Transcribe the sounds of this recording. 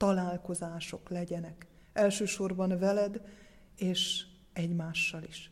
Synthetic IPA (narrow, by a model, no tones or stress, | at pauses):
t̪ɒlaːlko̞zaːʃo̞klɛɟɛnɛk | ɛlʃøːʃo̞rbɒnvɛlɛd̪ | eːʃ | ɛɟmaːʃːɒliʃ